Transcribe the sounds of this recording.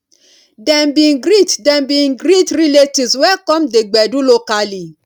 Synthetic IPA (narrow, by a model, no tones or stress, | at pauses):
dɛmbiɡɾitdɛmbiɡɾitɾiletiswɛkɔ̃mdeɡ͡bɛdũlokali